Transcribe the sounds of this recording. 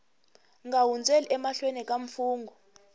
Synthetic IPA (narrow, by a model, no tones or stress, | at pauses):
ŋɡawund͡zʱeliʔɛmaɬwenɛkʼaɱfuːŋɡʱɔ